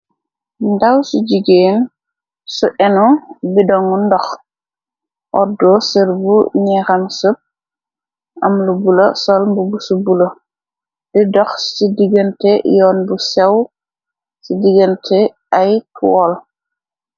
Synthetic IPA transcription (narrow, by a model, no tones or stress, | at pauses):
dawsuɟiɡeːn | suʔɛnɔbidɔŋundɔx | ʔɔdɔsiɾbuɲɛxamsup̚ | ʔamlubulosɔlmbubusubulo | didɔxsidiɡəntɛjɔːnbusɛw | sidiɡəntʰɛ | ajtʰuwɔl